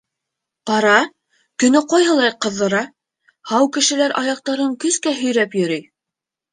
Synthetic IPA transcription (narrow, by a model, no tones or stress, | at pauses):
qɑɾɑ | kɵ̆nɘqɑjɦɤ̆lˠɑjqɤ̆ðːɤ̆ɾɑ | hɑwkɘ̆ʃɘ̆læɾɑjɑq̚t̪ɑɾɤŋkɵ̆skæɦɵ̆jɾæpjɵ̆ɾɘj